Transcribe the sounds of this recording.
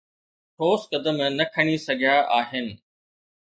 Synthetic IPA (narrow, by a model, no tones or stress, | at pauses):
ʈʰoːskɐd̪əmnɐkʰɐɽ̃isɐɡʱjaʔaːɦɪnɪ̆